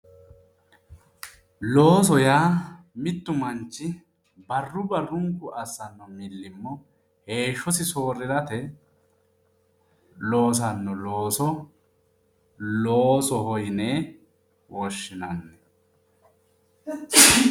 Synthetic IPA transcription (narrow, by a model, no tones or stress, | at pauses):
lo̞ːsɔjaː | mɪt̪ːʊmɐnt͡ʃːɪ | bɐrːʊbɐrːʊŋkːʊɐsːɐnːɔmɪlːɪmːɔ | he̞ːʃːɔsɪso̞ːɾɪɾɐt̪ɛ | lo̞ːs̬ɐnːɔlo̞ːsɔ | loːsɔhɔjneː | wɔʃːɪnɐnːɛ